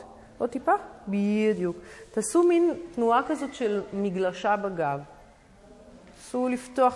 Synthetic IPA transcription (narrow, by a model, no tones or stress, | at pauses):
ʔot̪ipabid̪juktaːsumint̪nuakazo̞tʃelmiɡlaʃabaɡav | t | asuliftoaχ